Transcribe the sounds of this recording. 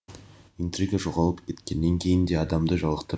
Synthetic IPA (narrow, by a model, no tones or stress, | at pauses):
int̪riɡaʒo̞ʁɑlˠəpkʲʰe̞t̪kʲe̞nːeŋkʲʰe̞jɪnd̪e̞ɑd̪ɑmd̪əʒɑlˠəqt̪ə